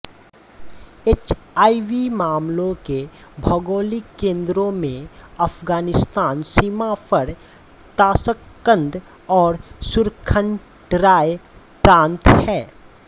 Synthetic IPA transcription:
et͡ʃaːiʋimaːmlõke | bʱəɡoːlikẽːnd̪ɾõmẽəpʰɡaːnɪst̪aːnsiːmapʰəɾ | t̪aːsəkːə̃nd̪ | ɔːɾsʊɾkʰəɳ | ʈɾaːj | pɾãːnt̪hɛː

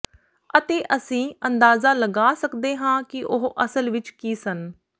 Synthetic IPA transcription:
ət̪eːʔəsĩːənd̪aːzaːləɡaːsəkd̪eːɦãːkɪʔʊɦʔəsəlʋɪt͡ʃkiːsən

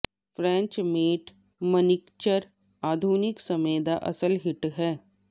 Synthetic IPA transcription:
fɾɛ̃ːɲt͡ʃmeːʈ | mənɪkt͡ʃəɾ | aːd̪ʱuːnɪksɐmeːd̪aʔɐ̰səlɦɪʈɦɛː

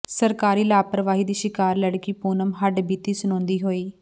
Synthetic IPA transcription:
səɾkaːɾiːlaːpɾəʋaːɦiːd̪iːʃɪkaːɾləɽkiːpuːnəmɦəɖbiːt̪iːsʊnɔ̃ːnd̪iːɦoːiː

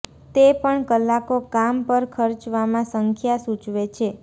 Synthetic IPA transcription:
t̪epəɳkəlːakokampəɾkʰəɾt͡ʃʋamãsəŋkʰjasut͡ʃʋet͡ʃʰe

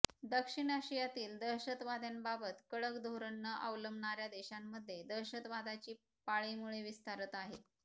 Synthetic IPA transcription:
d̪əkʂiɳəɕijat̪iːld̪əɾɕət̪ʋad̪ʱjanbabət̪kəɭəkd̪ʱoɾəɳːəʔəʋləmbɳaɾjad̪eɕamːəd̪ʱːjed̪əɾɕət̪ʋad̪at͡ɕiː | paɭimuɭeʋist̪aɾət̪aɦe

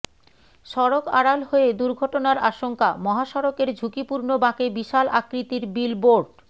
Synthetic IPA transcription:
ʃɔɾoka̰ɽalɦoed̪uɾɡʱɔʈonaɾaʃoŋkamɔɦaʃɔɾokeɾd͡ʑʱukipuɾnobãkebiʃalakɾit̪iɾbilboɾɖ

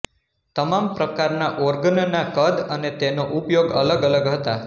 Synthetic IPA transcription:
t̪əmampɾəkaɾnaʔɔɾɡənnakəd̪ənet̪enoʔupjoɡələɡələɡɦət̪a

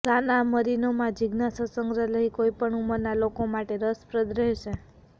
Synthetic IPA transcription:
tanaməɾinomãd͡ʒiɡnasəsəŋɡɾələikoipəɳuməɾnalokomaʈeɾəspɾəd̪ɾɛɦʃe

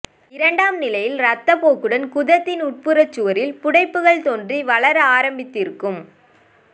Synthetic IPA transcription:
ɪɾɐɳɖaːmnɪlɐjɪlɾɐt̪ːɐpoːkɯɽɐnkʊðɐt̪ːɪnʊʈ̚pɯɾɐt͡ʃːɯʋɐɾɪlpʊɽɐɪpːɯɣɐɭt̪ɔndriʋɐɭɐɾaːɾɐmbɪt̪ːɪɾɯkːɯm

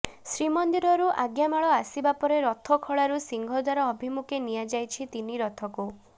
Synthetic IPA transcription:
sɾimɔnd̪iɾɔɾuʔaɡjamaɭɔasibapɔɾeɾɔt̪ʰɔkʰɔɭaɾusiŋɡʱɔd̪waɾɔːbʱimukenijad͡ʒajt͡ʃʰit̪iniɾɔt̪ʰɔku

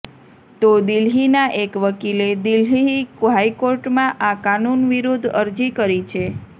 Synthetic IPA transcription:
t̪od̪ilɦinaʔekʋəkiled̪ilɦiiɦaikoɾʈmãʔakanunʋiɾod̪ʱəɾd͡ʒikəɾit͡ʃʰe

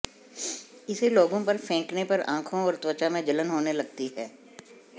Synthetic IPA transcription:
ɪseloːɡõpɐɾfʰɛ̃ːknepɐɾã̰ːkʰõɔːɾt̪wət͡ʃamẽd͡ʒɐlənɦoːnelɐɡ̚t̪iɦɛː

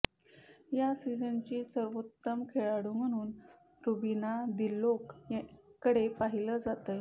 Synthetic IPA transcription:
jasid͡zənt͡ɕiːsəɾʋot̪ːəmkʰeɭaɽuːm̤əɽ̃uːn | ɾubinad̪ilːokjkəɽepaɦiləːd͡zat̪əj

